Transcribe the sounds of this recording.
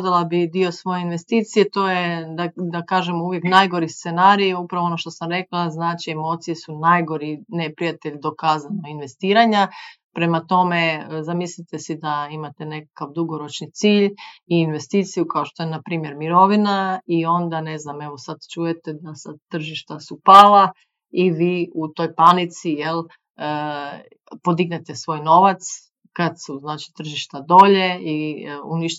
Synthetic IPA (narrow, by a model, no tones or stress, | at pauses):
d̪alˠabid̪io̞sʋo̞jeinʋe̞st̪iːt̪sije̞t̪o̞ːjed̪ad̪akaːʒemouʋjeknajɡo̞ɾist̪senaːɾijupɾaʋoonoʃt̪o̞samɾe̞klˠaznaːt͡ʃie̞mo̞t̪sijesunajɡo̞ɾinepɾijat̪eʎd̪o̞kaːzanoinʋe̞st̪iːɾaɲa | pɾe̞mat̪o̞mezamislit̪esid̪aimat̪ene̞kakaʋd̪uɡo̞ɾo̞t͡ʃnit̪siːʎiːnʋe̞st̪iːt̪sijukaoʃt̪o̞jenapɾiːmje̞ɾmiɾo̞ʋinaio̞nd̪ane̞zname̞ʋo̞sad̪t͡ʃuje̞t̪ed̪asad̪̚t̪ːr̩ʒiʃt̪asupaːlˠa | iʋiːut̪o̞jpanit̪sijel | ə | po̞d̪iɡnet̪e̞sʋo̞jno̞ʋat̪s | kad̪suznaːt͡ʃi̥t̪r̩ʒiʃt̪ad̪o̞ːʎe̞iuniʃt̪